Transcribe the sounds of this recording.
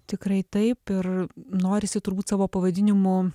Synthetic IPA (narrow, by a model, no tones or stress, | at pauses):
t̪ʲɪkɾɐɪt̪ɐɪpɪrnoːɾʲɪsʲɪt̪ʊɾbuːt̪ʲsɑːʋoːpɐʋɐd̪ʲɪnʲɪmʊ